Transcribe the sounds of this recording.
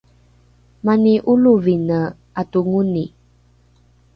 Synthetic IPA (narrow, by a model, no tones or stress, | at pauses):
maniʔuluvinə | atuŋuni